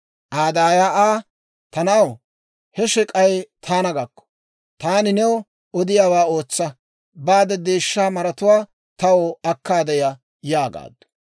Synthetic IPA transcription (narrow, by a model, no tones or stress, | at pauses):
ʔaːd̪aːjaːaː | t̪ɐnaw | hɛʃɛkʼɐjt̪ʰaːnɐɡɐkːɔ̥ | t̪aːnɪnɛwɔ | ɔd̪ɪjaːwaːo̞ːt͡sːɐ | baːd̪ɛd̪eːʃːaːmɐɾɐt̪ʊwaː | t̪ɐwɔɐkːaːd̪ɛjɐ | jaːɡa̰ːd̪ːʊ̥